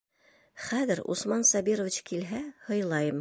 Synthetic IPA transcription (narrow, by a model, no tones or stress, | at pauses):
χæðɘɾṵsmɑnsɑbiɾovʲit͡ɕkilɦæhɤ̆jlˠɑjɤm